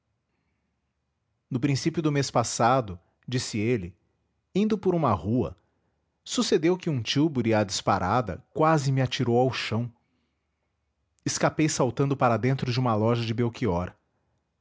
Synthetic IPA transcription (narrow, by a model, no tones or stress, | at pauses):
nʊpɾĩsipjʊd̪ʊmespasad̪ʊ | d͡ʒisɪelɪ | ĩnd̪ʊpʊɾũmɐhuɐ̰ | sused̪ewkɪũt͡ʃiwbʊɾɪɐd͡ʒispaɾʔad̪ɐ̰kwazɪmɪat͡ʃiɾowawʃɐ̃w̃ | ɪskapejsawt̪ɐ̃nd̪ʊpaɾɐd̪ẽnt̪ɾʊd͡ʒɪũmɐlɔʒɐd͡ʒɪbewkiɔɾ